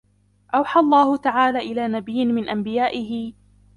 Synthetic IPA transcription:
ʔawħalˤːɑːhʊt̪aʕaːlaːʔɪlaːnabɪjːɪnmɪnʔambɪjaːʔɪɦɪ

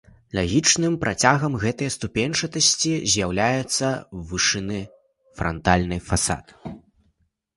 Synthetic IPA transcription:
lʲaɣʲit͡ʂnɨmpɾʔat͡sʲaɣɐmɣɛt̪ɐjɐst̪upʲenʲʂɐt̪ɐsʲt͡sʲizʲjawlʲajɛt̪sːɐvɨʂɨnɨ | fɾɐ̰nt̪alʲnɐjfasa̰t̪

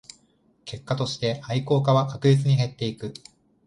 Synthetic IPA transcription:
ke̞kːat̪o̞ɕi̥t̪e̞aiko̞ːkaβakakɯ̟d͡ʑit͡sɨɲ̟iɦe̞t̪ːe̞ikɯ̟

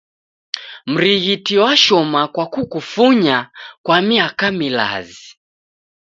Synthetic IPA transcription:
m̩ɾiɣitiwaʃɔmakwakukufuɲakwamiakamila̰zi

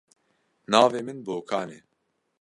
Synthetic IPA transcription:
naːveːmɨnboːkʰaːneː

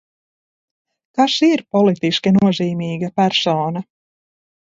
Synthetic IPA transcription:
kaʃiɾpɔlˠit̪iʃkinuɔziːmiːɡapæɾsoːna

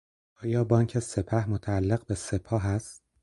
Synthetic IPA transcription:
ʔɒːjɒːbɒːŋcʰe̞se̞pʰæhmot̪ʰæːlːeɣbe̞se̞pʰɒːɦæst̪̚

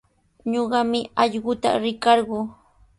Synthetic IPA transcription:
ɲoɢɑmɪɑʎɢʊt̪a̰ɾɪkɑɾɢʊː

